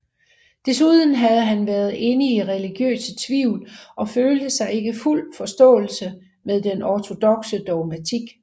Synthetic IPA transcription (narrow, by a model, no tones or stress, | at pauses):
d̥e̝suðˠn̩ɦæð̞ˠɦænʋæːɐð̞̩ˠe̝niːʁɛliɡ̥jø̰ːsət͡sʰʋiʊ̰lʔɒ̽føːld̥əsɑ̈ɪe̝ɡ̥əful̰fɒ̽sd̥ɔ̰̽ːl̩sə | meðˠd̥enɒt͡sʰo̝d̥ɒ̽ɡ̥səd̥ɒmæt͡sʰiɡ̥